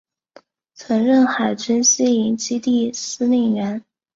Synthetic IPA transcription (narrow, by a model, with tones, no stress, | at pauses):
t͡sʰwə˧˥ŋɻə˥˩nxa˨˩ɪt͡ɕy˥nɕi˥i˧˥ŋt͡ɕi˥t̪i˥˩sɹ̩˥ni˥˩ɥɛ˧˥n